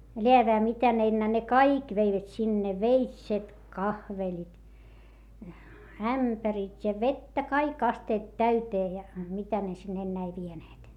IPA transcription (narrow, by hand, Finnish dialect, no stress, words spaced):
leæʋeæ mitæ ne enːæː ne kɑik ʋeiʋæt sinːe ʋeitset kɑhʋelit æmpæritʲ jɑ ʋetːæ kɑik ɑsteːt tæyteː jɑ mitæ ne sinː enːeæ ei ʋieneːt